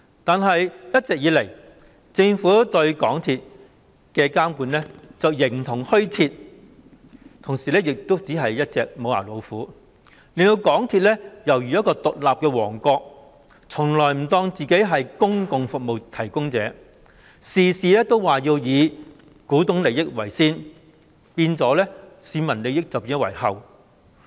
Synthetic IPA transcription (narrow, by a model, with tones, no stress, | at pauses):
t̪aː˨nɦɐ˨jjɐ˥t̚t͡sɛː˨k̚jiː˨˧lɐ˨˩j | t͡sɪ˧ŋfuː˨˥t̪ɵ˧ɥkɔː˨˥ŋt̪ʰiː˧t̚ | kɛː˧kaː˥mkuː˨˥nlɛː˥t͡sɐ˨wjɪ˨˩ŋt̪ʰʊ˨˩ŋhɵ˥ɥt͡sʰiː˧t̚ | t̪ʰʊ˨˩ŋsiː˨˩lɛː˥jɪ˨k̚t̪o˥wt͡siː˨˥ɦɐ˨jjɐ˥t̚t͡sɛː˨k̚mo˨˧wa̰ː˨˩lo˨˧wfuː˨˥ | liː˨˩nt̪o˧wkɔː˨˥ŋt̪ʰiː˧t̚lɛː˥jɐ˨˩wjyː˨jɐ˥kɔː˧t̪ʊ˨k̚laː˨p̚kɛː˧wɔː˨˩ŋkɔː˧k̚ | t͡sʰʊ˨˩ŋlɔː˨˩jm̩˨˩t̪ɔː˧ŋt͡siː˨ke˨˥jɦɐ˨jkʊ˥ŋkʊ˨ŋfʊ˨k̚mo˨wt̪ʰɐ˨˩jkʊ˥ŋt͡sɛː˨˥ | siː˨siː˨˧lɛː˥t̪o˥wwaː˨˩jiː˧wjiː˨˧ | kuː˨˥t̪ʊ˨˥ŋle˨˧jɪ˥k̚wɐ˨˩jsiː˥n | piː˧nt͡sɔː˨˧˥lɛː˥siː˨˧mɐ˨˩nle˨˧jɪ˥k̚t͡sɐ˨wpiː˧n˥wɐ̰˨˩jhɐ˨w